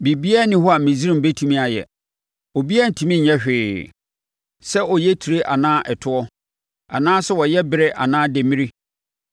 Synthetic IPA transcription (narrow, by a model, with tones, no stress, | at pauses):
bi˨bi˦ɛ˦nɪ̃˦ɦɔ˦a˨mĩ˨zi˦ɾĩ˦m̩˨be˦tʰũ˨mĩ˦a˨jɛ̰˨ | ɔ˨bi˦a˦˨n̩˨tʰũ˨mĩ˦ɲɛ̃˦ɕᶣɪː˨ | sɛ˦ʔɔ˨jɛ˦tʰi˨ɾe˦ʔa˨nãː˦ʔɛ˨tʰʊ˦ɔ˦ | a̰˨nãː˦sɛ˦wɔ˨jɛ˦bɪ˦ɾɪ˦ʔa̰˨nãː˦de˨mĩ˦ɾi˦